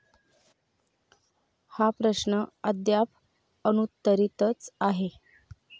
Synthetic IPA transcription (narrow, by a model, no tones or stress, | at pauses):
hapɾəɕnəəd̪jap | ənut̪ːəɾit̪ət͡saɦe